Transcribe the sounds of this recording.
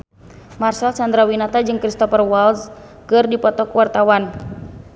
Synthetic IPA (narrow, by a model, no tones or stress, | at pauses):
marsalsand̪ɾawinat̪ad͡ʒɨŋkɾist̪ɔfərwalz | kɨrdipɔt̪ɔkəwart̪awan